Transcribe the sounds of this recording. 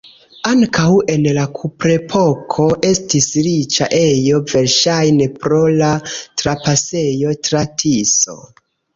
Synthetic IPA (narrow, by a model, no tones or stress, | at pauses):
aŋkʰawe̞nlakʰupɾe̞pʰo̞kʰo̞ʔe̞stisɾit͡ʃa̰ʔe̞jo̞ve̞ɾʃajne̞pɾo̞latɾapase̞jo̞tɾatʰiso̞̰